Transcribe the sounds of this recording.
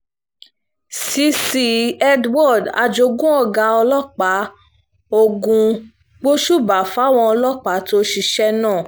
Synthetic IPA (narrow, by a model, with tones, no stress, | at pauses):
si˨˧˦si˧ɛ˦dwɔ˦˨da̰˧d͡ʒo˧ɡũ˦ɔ˦˨ɡa˧ɔ˧lɔ˦k͡pa˨˦ | o˧ɡũ˧ | ɡ͡bo˦ʃu˦˨ba˨fa˨˦w̃ɔ̃˧ɔ˧lɔ˦k͡pa˨˦to˦ʃi˧ʃɛ˦nãː˦˨